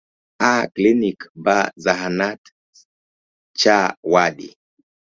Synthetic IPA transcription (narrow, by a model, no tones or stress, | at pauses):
aklinikbazaɦanat | t͡ʃawaɗḭ